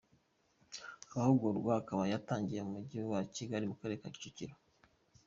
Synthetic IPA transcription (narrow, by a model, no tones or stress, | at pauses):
ahoɡoɾɡwahakaβajataːɲɟije̞mumuɟiβewaciɡaɾimukaɾe̞ɾekai̥cociɾo